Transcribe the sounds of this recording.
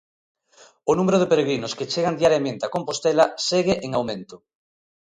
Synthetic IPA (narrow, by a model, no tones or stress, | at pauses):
onumeɾoðepeɾeɣɾinʊsket͡ʃeɣand̪iaɾjamẽnt̪eakompost̪eɛlɐseɣeʔeŋawmẽnt̪ʊ